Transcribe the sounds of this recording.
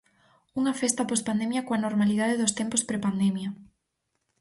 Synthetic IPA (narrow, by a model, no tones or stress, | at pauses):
uŋɐfest̪ɐpospand̪emjɐkoanoɾmalið̞aðeðost̪empospɾepand̪ɛmjɐ